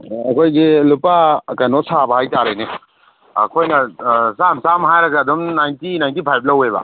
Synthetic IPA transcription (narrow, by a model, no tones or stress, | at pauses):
ɐkʰojɡelupakajnosabhajtaɾajne | ɐ̰kʰojnɐsamsamɦajɾɐɡaːdumnajntinajntipʰajb̚lɐweba̰